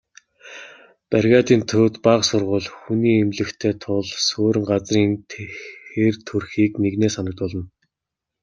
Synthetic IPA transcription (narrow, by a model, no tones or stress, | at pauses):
pærɣʲaːt̪iːnt̪ʰɵːt̪paqsʊrʁʊːɮxuniːemɮɘ̆xt̪ʰeːt̪ʰʊɮsoːɾɘ̆ŋɢat͡sriːnt̪ʰxert̪ʰɵrxiːkneɣneːsanə̆t̪pɔɮɞ̆n